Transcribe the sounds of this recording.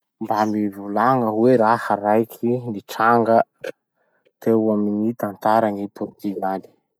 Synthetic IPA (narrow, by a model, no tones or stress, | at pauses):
mbamivulaŋəweɾahəɾajkʰiniʈ͡ʂaŋɡə | t̪ewaminit̪ant̪aɾaŋipuɾt̪inani̥